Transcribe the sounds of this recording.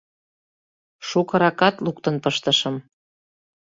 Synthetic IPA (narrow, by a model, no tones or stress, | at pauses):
ʃukɤ̆ɾɑkɑt̪lukt̪ə̆npɤʃt̪əʃəm